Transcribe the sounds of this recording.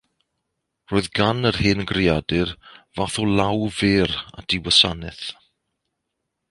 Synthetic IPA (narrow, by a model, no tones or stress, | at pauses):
roːðɡanərheːnɡrɪadɨrvaθɔlawveːɾa̰d̥ɪwəsanɛθ